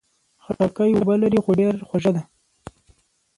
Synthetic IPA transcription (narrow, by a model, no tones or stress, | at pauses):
xaɽɑkajwabalaɾixoɖeɾxwaʒad̪a